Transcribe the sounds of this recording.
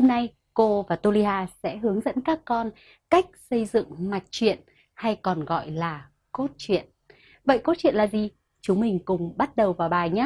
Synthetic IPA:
ho˧mna˧j | ko˧vaː˨˩t̪o˧li˧ɦaː˧sɛ̰˧˥ɦɨ˨˦əŋzə̰˧˥nkaː˦˥kːɔ˧n | ka˦˥jk̟̚sə˧jzɨ̰˧˨ŋma˨˩t̚t͡ɕwḭ˧˨ən | ha˧jkɔ˨˩nɣɔ̰˧˨jlaː˨˩ | ko˦˥t̚t͡ɕwḭ˧˨ən | və̰˧˨jko˦˥t̚t͡ɕwḭ˧˨nlaː˨˩zi˨˩ | t͡ɕʊ˨˦ŋ͡mmï˨˩ŋ̟kʊ˨˩ŋ͡mɓa˦˥t̚ɗə˨˩wvaː˨˩wɓaː˨˩jɲaː˨˦

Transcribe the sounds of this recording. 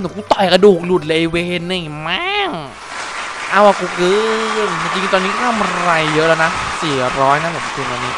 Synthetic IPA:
nɯ˨˩˦kuː˧˩t̪ɔ˨˩jka˧duː˨˩k̚lu˨˩t̪̚leː˧weː˧nɯ˨˩ma˦˧˥ŋ | ʔaː˧˥˩waː˧˩kuː˧kɯ˦˥˧mt͡ɕi˧ŋt͡ɕi˧ŋt̪ɔː˧nːiː˦˥kɔ˥˩t̪ʰa˧˥mʔa˧ɾa˧jːɤ˦˥ʔlɛː˧wna˦˥siː˨˩ɾɔː˦˥jna˦˥lɯ˨˩m˧˩kʰɯ˨˧naː˧nːiː˦˥

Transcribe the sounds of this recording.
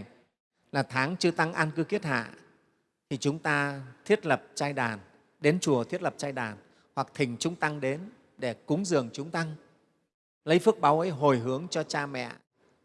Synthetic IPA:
laː˨˩t̪ʰaː˨˦ŋt͡ɕɨ˧ət̪a˧ŋʔaː˧nkɨ˨˦ki˦˥ət̚ha̰ː˧˨ | t̪ʰi˨˩t͡ɕʊ˨˦ŋ͡mt̪aː˧t̪ʰi˦˥ət̚lə˨˩p̚t͡ɕaː˧jɗaː˨˩n | ɗe˨˦nt͡ɕu˨˩ət̪ʰi˦˥ət̚lə˨˩p̚t͡ɕaː˧jɗaː˨˩n | hwa˨˩k̚t̪ʰï˨˩ŋ̟t͡ɕʊ˨˦ŋ͡mt̪a˧ŋɗe˨˦n | ɗe˧˩kʊ˨˦ŋ͡mzɨ˨˩əŋt͡ɕʊ˨˦ŋ͡mt̪a˧ŋ | lə˨˦jfɨ˦˥ək̚ɓaː˨˦wʔə˨˦jɦo˨˩jɦɨ˨˦əŋt͡ɕɔ˧t͡ɕaː˧mɛ̰˧˨

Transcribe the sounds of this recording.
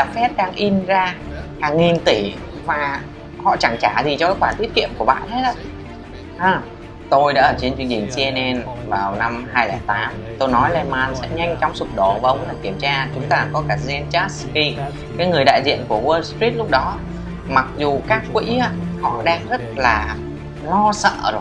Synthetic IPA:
a˨˩p̚fɛ˦˥p̚ɗaː˧ŋʔi˧nzaː˧haː˨˩ŋːi˨˩nt̪i˧˩vaː˨˩ | hɔ̰˧˨t͡ɕa˧˩ŋt͡ɕaː˧˩zi˨˩t͡ɕɔ˧ŋ͡mkaː˨˦xwaː˧˩t̪i˦˥ət̚kḭ˧˨əmku˧˩əɓa̰ː˧˨nhʰe˦˥t̚ʔə̰˧˦˥ | ʔaː˧˩ | t̪o˧jɗa̰ː˧˥ʔəː˧˩t͡ɕe˧nt͡ɕwi˧ənt͡ɕï˨˩ŋ̟si˧ɛ˧nʔɛ˧nvaː˨˩wna˧mhaː˧jlɛː˧˩t̪aː˨˦mt̪o˧jnɔ˨˦jlɛ˧maː˧nsɛ̰˧˥ɲa˧jŋ̟t͡ɕɔ˧wŋ͡msʊ˨˩k͡p̚ɗo˨˩vaː˨˩ʔə˧wŋ͡mɗaː˧˦ki˧˩əmt͡ɕaː˧t͡ɕʊ˨˦ŋ͡mt̪aː˧kɔ˨˦kaː˧˩zɛ˧nt͡ɕa˦˥tski˧ | kaː˨˦jŋɨ˨˩əjɗa̰ː˧˨jzḭ˧˨ənku˧˩əwəː˧lst̪ɹi˦˥t̚lʊ˦˥k͡p̚ɗɔ˨˦ | ma˨˩k̚zu˨˩kaː˦˥kːwḭ˧˥aː˧˥hɔ̰˧˨ɗaː˧ŋzə˦˥t̚laː˨˩ | lɔ˧sə̰ː˧˨zo˨˩j

